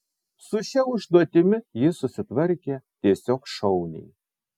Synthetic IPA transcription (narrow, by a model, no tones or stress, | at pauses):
sʊʃʲɛʊʒd̪oːt̪ʲɪmʲɪjɪsʊsʲɪt̪ʋɐɾʲkʲɛt̪ʲiɛsʲoːkʃɔʊnʲɛ̰j